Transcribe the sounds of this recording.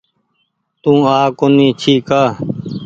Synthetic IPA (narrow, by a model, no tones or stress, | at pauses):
t̪ũːaːkoniːt͡ʃʰiːkaː